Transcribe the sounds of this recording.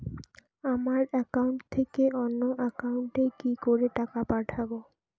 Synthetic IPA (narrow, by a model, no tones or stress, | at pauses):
amaɾɛkauɳʈt̪ʰekeʔonːoʔɛkauɳʈekikoɾeʈakapaʈʰabo